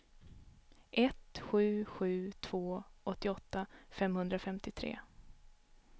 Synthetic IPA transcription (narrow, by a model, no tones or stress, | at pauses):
ʔɛt̪ɧʉ̟ːɧʉ̟ːt̪ʰv̥oːʔɔt̪ːɪɔt̪ːafɛmhɵnd̪ɾafɛmt̪ɪt̪ʰɾḛː